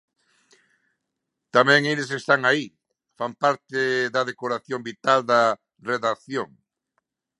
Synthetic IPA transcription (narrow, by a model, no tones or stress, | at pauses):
t̪amɛ̃ŋelesest̪aŋai | fampaɾt̪ɪðɐðekoɾaθjombit̪ald̪ɐ | reðaθjoŋ